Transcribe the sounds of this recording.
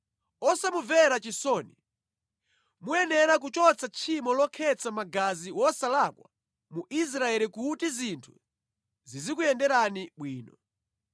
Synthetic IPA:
ɔsamuvɛɾat͡ʃisɔni | muɛnɛɾak̬ut͡ʃɔt͡sʰat͡ʃʰimɔlɔkʰɛt͡sʰamaɡaziwɔsalakwa̰ | muʔis̬ɾaɛɾikutizintʰu | zizikujɛndɛɾaniɓwiːnɔ

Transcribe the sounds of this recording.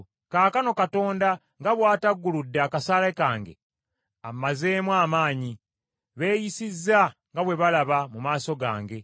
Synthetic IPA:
kaːkano̞kato̞ːnda | ŋɡaβwaːtaɡːuludːakasalekaːŋɡe̞̰ | amaze̞ːmwaːmaːɲi | βe̞ːjisizːaŋɡaβwe̞βalaβamumaːso̞ɡa̰ːŋɡe̞

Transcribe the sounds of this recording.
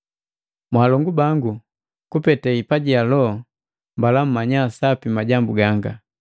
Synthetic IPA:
mwaːlɔŋɡubaŋɡu | kupɛtɛipaɟialɔ | mbalam̩mːaɲasapimaɟambuɡaŋɡa

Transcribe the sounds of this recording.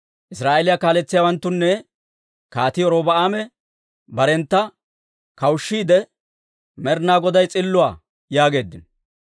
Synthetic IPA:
ʔɪsɾaːʔelɪjakaːlɛt͡sːɪjaːwɐnt̪ːʊnːɛ | kaːt̪ɪɔɾoːbɐʔaːmɛ | bɐɾɛnt̪ːɐ | kɐwʊʃːiːd̪ɛ | mɛɾnaːɡɔd̪ɐjt͡sʼɪlːʊwaː | jaːɡe̞ːd̪ːɪn

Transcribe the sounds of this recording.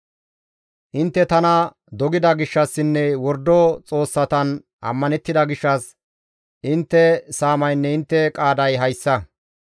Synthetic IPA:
ʔɪnt̪ːɛt̪ɐnɐ | d̪ɔɡɪd̪ɐɡɪʃːɐsːɪnːɛwɔɾd̪ɔt͡sʼo̞ːsːɐt̪ɐn | ʔɐ̰mːɐnɛt̪ːɪd̪ɐɡɪʃːɐs | ʔɪnt̪ːɛsaːmɐjnːɛɪnt̪ːɛkʼaːd̪ɐjɦɐjsːɐ

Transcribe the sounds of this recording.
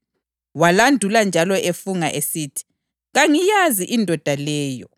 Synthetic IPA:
walandʱuland͡ʒʱalɔʔefuŋaʔesiːtʰi̥ | ɣaŋijaziʔindʱɔd̥ʱalɛːjɔ

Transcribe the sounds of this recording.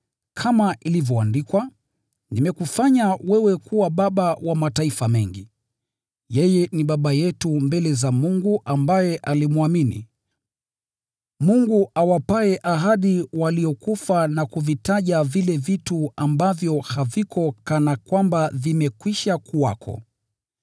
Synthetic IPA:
kʰamaʔilivjɔandikwa | nimɛkufaɲawɛwɛkuwaɓaɓawamataifamɛŋɡi | jɛjɛniɓaɓajɛtumbɛlɛzamuŋɡuʔambajɛʔalimuaminḭ | muŋɡuʔawapaɛʔaɦaɗiwaliɔkufanakuvitaʄavilɛvituambavjɔhavikʰɔkanakwambavimɛkwiʃakuwa̰kʰɔ̰

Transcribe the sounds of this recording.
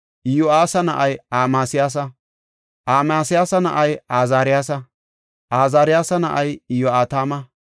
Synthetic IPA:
ʔɪjoaːsɐnɐʔɐjaːmaːsɪjaːs̬ɐ | ʔaːmaːsɪjaːsɐnɐ̰ʔɐjaːzaːɾɪjaːs̬ɐ | ʔaːzaːɾɪjaːsɐnɐ̰ʔɐjɪjoaːt̪aːmɐ

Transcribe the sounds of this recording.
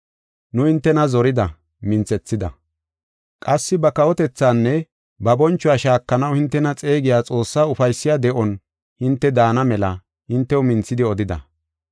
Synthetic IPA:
nʊhɪnt̪ːɛnɐzɔɾɪd̪ɐ | mɪnt͡sɛt͡sːɪd̪ɐ̰ | kʼɐsːɪbɐkɐwɔt̪ɛt͡sːaːnːɛ | bɐbɔnt͡ʃːʊwaːʃaːkːɐnɐwhɪnt̪ːɛnɐt͡sʼe̞ːɡɪjaːt͡sʼo̞ːsːaːʊfɐjsːɪjaːd̪ɛʔɔn | hɪnt̪ːɛd̪aːnɐmɛlɐ | hɪnt̪ːɛwʊmɪnt͡sːɪd̪ɪɔd̪ɪd̪ɐ̰

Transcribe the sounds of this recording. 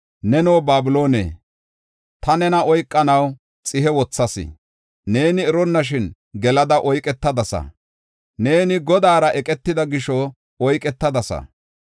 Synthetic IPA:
nɛnoːbaːbɪlo̞ːnḛː | t̪ɐnɛnɐɔjkʼːɐnɐw | t͡sʼɪhɛwɔt͡sːɐsɪ̰ | ne̞ːnɪːɾɔnːɐʃ̬ɪn | ɡɛlɐd̪ɐʔɔjkʼɛt̪ːɐd̪ɐsɐ̰ | ne̞ːnɪɡɔd̪aːɾɐʔɛkʼɛt̪ːɪd̪ɐɡɪʃɔ | ɔjkʼɛt̪ːɐd̪ɐsɐ̰

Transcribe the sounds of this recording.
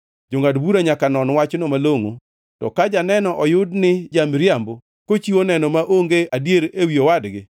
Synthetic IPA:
d͡ʒoŋadbuɾaɲakanɔnwat͡ʃnomaloŋo | tɔ̰kad͡ʒanɛnɔʔɔjʊdnɪd͡ʒamɾjambo | kot͡ʃionɛnɔmaʔoŋɡeʔadjeɾewiowadɡɪ

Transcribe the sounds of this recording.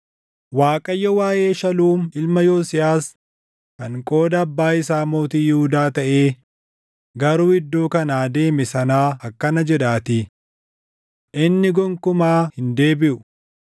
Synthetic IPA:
waːkʼɐjːɔwaːjʔe̞ːʃɐluːmɪlmɐjoːsɪjaːs | kɐŋkʼo̞ːd̪ɐːbːaːɪsaːmoːt̪iːjɛhʊd̪aːt̪ɐʔe̞ː | ɡɐɾuːɪd̪ːoːkɐnaːd̪e̞ːmɛsɐnaːɐkːɐnɐd͡ʒɛᶑaːt̪ɪ | ʔɪnːɪɡɔŋkʊmaːhɪnd̪e̞ːbɪʔʊ

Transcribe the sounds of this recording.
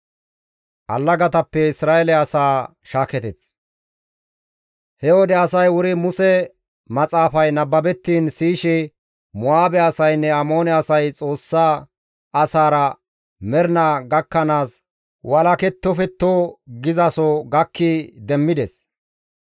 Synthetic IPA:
ʔɐ̰lːɐɡɐt̪ɐpːɛɪsɾaːɛlɛɐsaː | ʃaːkɛt̪ɛs | hɛɔd̪ɛɐsɐjwʊɾɪmʊsɛ | mɐt͡sʼaːfɐjnɐbːɐbɛt̪ːiːnsiːʃɪ | mʊaːbɛɐsɐjnːɛɐmo̞ːnɛɐsɐjt͡sʼo̞ːsːaː | ɐsaːɾɐ | mɛɾnaɡɐkːɐnaːs | wʔɐlɐkɛt̪ːɔfɛt̪ːɔɡɪzɐsɔɡɐkːid̪ɛmːɪd̪ɛs

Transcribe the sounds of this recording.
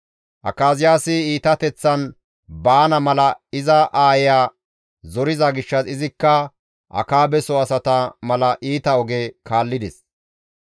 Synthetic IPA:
ʔɐ̰kaːzɪjaːsɪiːt̪ɐt̪ɛt͡sːɐn | baːnɐmɐlɐɪzɐʔaːjjaː | zɔɾɪzɐɡɪʃːɐsɪzɪkːɐ | ʔɐ̰kaːbɛsɔɐsɐt̪ɐmɐlɐʔiːt̪ɐɔɡekaːlːɪd̪ɛs

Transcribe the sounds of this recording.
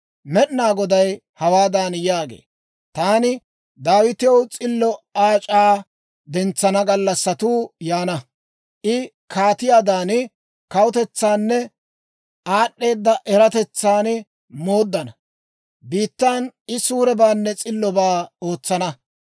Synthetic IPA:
mɛɗnaːɡɔd̪ɐj | hɐwaːd̪aːnjaːɡe̞̰ː | t̪aːnɪ | d̪aːwɪt̪ɪjɔwt͡sʼɪlːɔaːt͡ʃʼaː | d̪ɛnt͡sːɐnɐɡɐlːɐsːɐt̪uːjaːnɐ | ʔɪ | kʰaːt̪ɪjaːd̪aːn | kɐwʊt̪ɛt͡sːaːnːɛ | ʔaːɗːe̞ːd̪ːɐʔɛɾɐt̪ɛt͡sːaːn | mo̞ːd̪ːɐnɐ | biːt̪ːaːnɪsuːɾɛbaːnːɛt͡sʼɪlːɔbaːoːt͡sːɐnɐ

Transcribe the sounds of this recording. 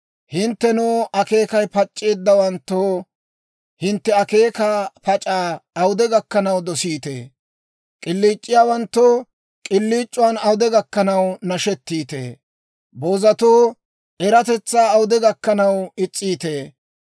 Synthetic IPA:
hɪnt̪ːɛnuːʔɐke̞ːkɐjpɐt͡ʃʼːeːd̪ːɐwɐnt̪ːoː | hɪnt̪ːɛɐke̞ːkaːpɐt͡ʃʼaːɐwʊd̪ɛɡɐkːɐnɐwd̪ɔsiːt̪ḛː | kʼɪlːiːt͡ʃʼːɪjaːwɐnt̪ːoː | kʼɪlːiːt͡ʃʼːʊwaːnɐwʊd̪ɛɡɐkːɐnɐwnɐʃɛt̪ːiːt̪ḛː | boːzɐt̪oː | ʔɛɾɐt̪ɛt͡sːaːɐwʊd̪ɛɡɐkːɐnɐwɪt͡sʼːiːt̪eː

